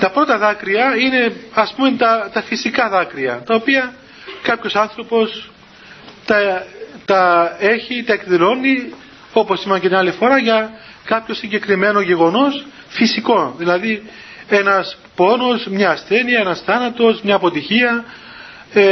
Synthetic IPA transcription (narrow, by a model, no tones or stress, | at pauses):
t̪ɐpɾo̞t̪ɐðɐkɾiɐine̞ɐspumet̪ɐt̪ɐfisikɐðɐkɾiɐt̪ɐopiɐ | kɐpço̞sɐnθɾo̞po̞s | t̪ɐt̪ɐe̞çit̪ɐe̞kðilo̞nːi | o̞po̞simɐceniɐlifo̞ɾɐʝɐ | kɐpço̞siɲɟe̞kɾime̞no̞ʝe̞ɣo̞no̞s | fisiko̞ðilɐðie̞nɐs | po̞no̞smɲɐːsθe̞niɐe̞nɐsθɐnɐt̪o̞zmɲɐːpo̞t̪içiɐ